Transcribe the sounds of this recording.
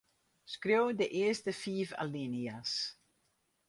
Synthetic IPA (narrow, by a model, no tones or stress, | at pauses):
skɾøwd̪əʔeːstəfiːva̰linias